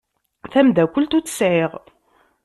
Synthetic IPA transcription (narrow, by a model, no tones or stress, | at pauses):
θæmd̪ækʷəlt̪ut͡sːə̥sʕɪʁ